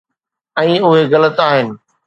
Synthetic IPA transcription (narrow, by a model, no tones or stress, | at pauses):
ɛ̃ːʊɦeɣɐlət̪aːɦɪnɪ̆